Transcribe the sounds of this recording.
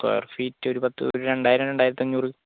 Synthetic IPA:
ko̰j̰rfiːtːɨo̞ɾupɐt̪ːɨ̰o̰ɾuɾe̞ɳɖaːjiɾɐmɾeɳɖaːjiɾɐt̪ːɐɲːuːrɨ

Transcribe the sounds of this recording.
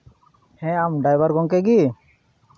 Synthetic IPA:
hɛ̃amɖajbaɾɡɔŋk̬ɛɡi

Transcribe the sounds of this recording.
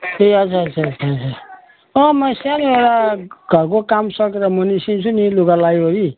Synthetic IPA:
eʌt͡sʰaʌt͡sʰaʌt͡sʰat͡sʰa | ʌmʌsaneɾaɡ̥ʱʌrkokamsʌkeɾʌmʌnisint͡sʰuniluɡalajɦoɾi

